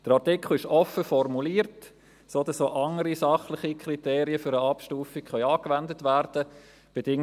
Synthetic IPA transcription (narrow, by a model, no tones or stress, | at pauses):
d̥əɾaʁtɪkχl̩ɪʃɔfəfɔrmuliːɾt | soːd̥ɑsoːʔɑŋəɾisɑχlɪχikriteːɾiəfʏɾəɑpʃtuːfikχœʏɑːkvɛndətvæɾd̥ə | b̥ed̥ɪŋ